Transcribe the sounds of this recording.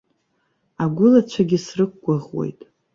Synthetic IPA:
aɡʷʊlat͡ʃʷʰaɡʲɪsrɨk̚ːʷaʁwḛjtʼ

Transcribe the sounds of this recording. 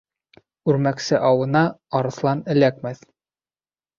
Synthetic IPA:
ʉɾmæksɘʔɑwɤ̆nɑːɾɤ̆θlˠɑnɘ̆lækmæθ

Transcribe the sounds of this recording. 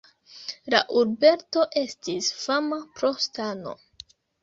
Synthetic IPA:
la̰ʔuɾbe̞ɾto̞ʔe̞stisfamapɾo̞stano̞̰

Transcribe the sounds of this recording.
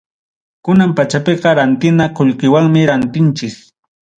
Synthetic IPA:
kʊnampat͡ʃapeqɑɾant̪ɪnakoʎkɪwaŋmɪɾant̪ɪnt͡ʃɪs

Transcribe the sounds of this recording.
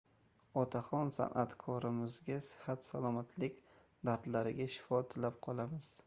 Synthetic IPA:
ɒt̪ʰaχɒnsa̰nʔat̪kʰɒɾɪmɪzɡʲasɪ̥hat̪salˠɒmat̪ʰlɪkʲ | d̪aɾd̪laɾɪɡʲaʃɪ̥fɒt̪ʰɪlap̚qʰɒlˠamɪz̥

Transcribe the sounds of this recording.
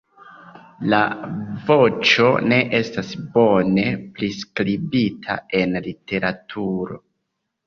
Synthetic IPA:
lavo̞t͡ʃo̞̰ne̞ʔe̞stasbo̞ne̞pliskɾibitʰa̰e̞nlite̞ɾatʰuɾo̞̰

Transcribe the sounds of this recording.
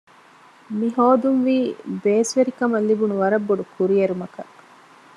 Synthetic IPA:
miɦoːd̪unʋiːbeːsʋeɾikɐmɐlːibunuʋɐɾɐbːoɖukʰuɾijeɾumɐkɐ̰

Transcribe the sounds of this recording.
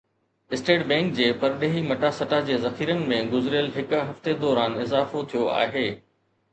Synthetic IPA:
ɪsʈeːʈbɛ̃ːŋkd͡ʑeːpɐɾɗeːɦimɐʈasɐʈad͡ʑeːzɐxiːɾənɪ̆mẽɡʊzɪɾɪjəlɦɪkʊɦɐft̪ed̪ɔːɾaːnɪzaːfot̪ʰijoa̰ːɦeː

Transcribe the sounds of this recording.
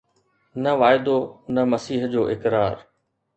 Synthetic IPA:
nɐʋaːɪd̪onɐmɐsiːɦd͡ʑoːʔɪkɾaːɾ

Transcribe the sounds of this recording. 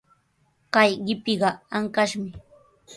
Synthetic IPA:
kajɢɪpɪɢɑaŋkaʃmɪ

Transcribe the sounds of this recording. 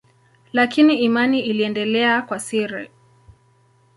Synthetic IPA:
lakiniːmaniiliɛndɛlɛakwasiɾɛ̰

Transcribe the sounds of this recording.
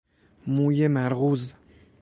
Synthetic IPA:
muːjemæɾɣuːz

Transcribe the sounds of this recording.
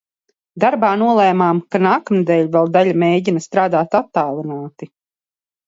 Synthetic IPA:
d̪aɾbaːnuɔlˠɛːmaːmkanaːkamd̪ɛʎʲvɛlˠd̪aʎʲamejɟinast̪ɾaːd̪aːt̪at̪ːaːlˠinaːt̪i

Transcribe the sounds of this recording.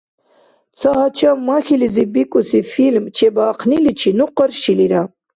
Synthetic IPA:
t͡saɦat͡ʃamːaxilizibikusifilmt͡ʃʰebaːqnilit͡ʃʰinuqəɾʃiliɾa

